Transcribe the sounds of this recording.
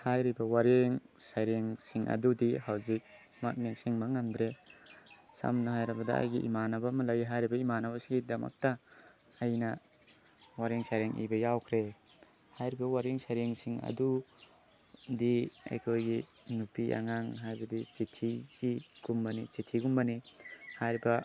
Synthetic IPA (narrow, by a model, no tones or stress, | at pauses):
hajɾibawaɾeŋsajɾeŋsiŋʔa̰dudihawzik̚ | ma̰k̚neŋsiŋbaŋamdɾe | sa̰mnaɦajɾabɐdaa̰jɡiʔḭmanabamɐlajiɦajɾibaimanabasiŋɡidama̰k̚taː | jna | waɾiŋsajɾeŋʔḭbɐjawkʰɾe | hajɾibɐwaɾiŋsajɾeŋsiŋɐ̰du | diḛjkʰojɡinupiʔa̰ŋaŋɦajbɐdit͡ʃitʰiɡ̥iɡ̥umbanit͡ʃitʰiɡumbanihajɾiba